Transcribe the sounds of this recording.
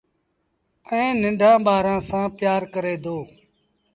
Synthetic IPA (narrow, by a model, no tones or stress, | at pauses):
əẽːnɪɳɖʱãːɓaːɾãːsãːpɪjaːɾkəɾeːd̪oː